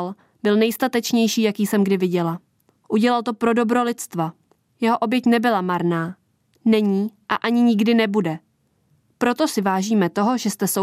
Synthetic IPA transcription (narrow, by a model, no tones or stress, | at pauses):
l | b̥ɪlnɛjst̪at̪ɛt͡ʃɲɛjʃiːjakiːsɛmɡdɪvɪɟɛla | ʔuɟɛlalt̪o̞pɾo̞do̞bɾo̞lɪt̪t͡st̪va | jɛɦo̞ʔo̞bjɛcnɛbɪlamaɾnaː | nɛɲiːʔaʔaɲɪɲɪɡdɪnɛbudɛ | pɾo̞t̪o̞sɪvaːʒiːmɛt̪o̞ɦo̞ʒɛst̪ɛso